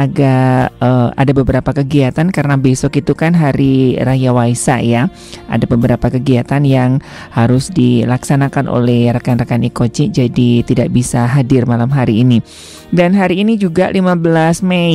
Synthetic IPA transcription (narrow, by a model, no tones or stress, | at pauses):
aɡaəa̰dabəbəɾapakəɡiat̪ankaɾənabesɔkit̪ukanɦaɾirajawaisa̰ja | ʔa̰dabəbəɾapakəɡiat̪anjaŋ | haɾʊsdilaksanakanʔo̰lɛhrakanrakanikot͡ʃid͡ʒadit̪idaʔbisaɦadɪrmalamɦaɾiːni | danɦaɾiːnid͡ʒuɡalimabəlasme